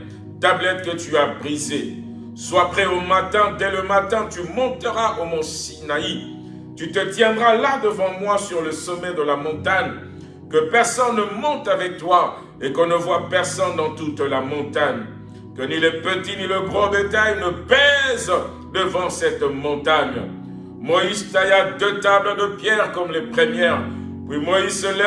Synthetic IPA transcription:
t̪ablɛt̪̚kət̪yabʁize | swapχɛomat̪ɛ̃d̪ɛləmat̪ɛ̃t̪ymɔ̃t̪əʁaʔomɔ̃sinai | t̪yt̪ət̪jɛ̃d̪ʁalad̪əvɑ̃mwasyʁləsɔmɛd̪əlamɔ̃t̪aɲ | kəpɛʁsɔnːəmɔ̃t̪avɛk̚t̪wa | ekɔ̃nəvwapɛʁsɔnd̪ɑ̃t̪ut̪lamɔ̃t̪aɲ | kənilepət̪iniləbʁɔ̃d̪et̪ajnəpɛz | d̪əvɑ̃sɛt̪mɔ̃t̪aɲ | mɔizt̪ajad̪øt̪abləd̪əpjɛʁkɔmlepχəmjɛʁ | pwimoizsəlɛ

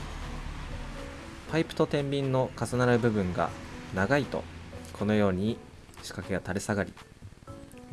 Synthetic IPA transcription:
paipɯ̟̥t̪o̞t̪ẽ̞mbʲĩnːo̞kasɨnaɾaɾɯ̟bɯ̟bɯ̟̃ŋɡa̰naɡait̪o̞̰kʰo̞no̞jo̞ːɲ̟i | ɕi̥kakeɡat̪aɾe̞saɡaɾʲḭ

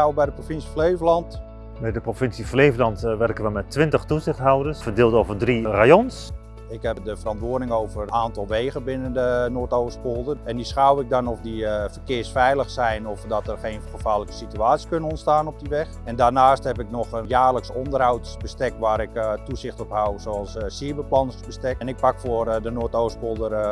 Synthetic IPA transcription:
awbɛjdəprofɪnsiflejvəlɑnt | bɛjdəprofɪnsiflejvlɑntʋɛrkəʋəmɛtːʋɪntəχtuzɪxtɦawdərsfərdɪːlˠtovərdrirajɔns | ɪkɦɛpdəfərɑntʋʊːədɪŋowvəraːntɑlˠʋeːɣənbɪnəndənoːtowvəspoːlˠdəɛndisχawɪk̚dɔnɔfdifərkɪərsfɛjləxsɛjnɔfdɔtɛrxeːnχəfaːləkə̥sityaːt͡ssi̥kønənɔntstaːnɔp̚diʋɛxɛndarnaːsthɛpɪk̚nɔχənjaːrləksɔndərɦawtsbəstɛk̚ʋaːɾɪktuzɪxtɔpɦawsoɑlˠssiəbəplɑnəsbəstɛk̚ɛnɪk̚pakfʊərdənoːtoːspolˠdər

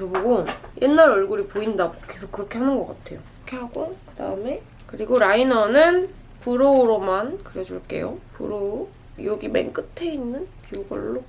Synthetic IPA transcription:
oboɡojʔenːaɾʌɭɡuɾipoindaɡokʰesʰok͈ːɯɾʌkʰe̞ɦanɯnɡʌk͈atʰe̞̰jo | kʰe̞haɡokɯda̰ɯme̞ | kɯɾiɡoɾainʌnɯn | puɾoɾomankɯɾjʌd͡ʑuɭk͈e̞̰jo̰pṵɾo | joɡimḛnk͈ɯtʰe̞inːɯnpiuɡʌ̰ɭːo

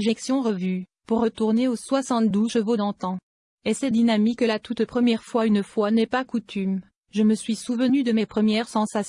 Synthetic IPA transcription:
ʒeksjɔ̃ʁəvy | puʁːət̪uʁneoswasɑ̃t̪̚d̪uʃəvod̪ɑ̃t̪ɑ̃ | esɛd̪inamikːəlat̪ut̪pχəmjɛʁfwaynfwanɛpakut̪ʰym | ʒəməsɥisuvənyd̪əmepχəmjɛʁsɑ̃sas

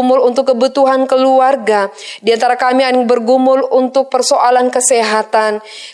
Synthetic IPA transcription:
mʊlunt̪ʊkːəbut̪uɦankəluarɡa | diant̪aɾakamianŋbərɡumʊlunt̪ʊk̚pərsoʔalankəseɦat̪an

